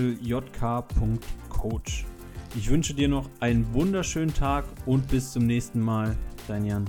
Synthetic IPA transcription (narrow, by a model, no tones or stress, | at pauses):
l̩jɔtkʰaːpʰʊŋktkʰoːt͡ʃ | ʔɪçv̥ʏnʃədiːɐnɔχʔaɪnənvʊndɐʃøːnəntʰaːkʔʊnt̚b̥ɪst͡sʊmnɛːçstn̩maːld̥aɪnjan